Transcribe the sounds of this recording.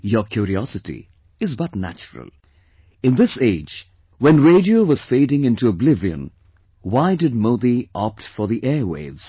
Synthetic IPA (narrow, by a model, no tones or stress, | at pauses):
jəkʰjuːɾiɔsɨtḭ | ɨzbʌtnæ̰t͡ʃəɾə̰l̩ˠ | ɨ̃nd̪ɪseɪd͡ʒ | wɛ̃nɹeɪdioʊʋʌz̥feɪɾɪ̃ŋɪ̃ntuəblɪviə̰̃n | waɪdɨd̚moʊd̪iʔɔp̚tfɔ˞ðiʔɛwḛɪvz̥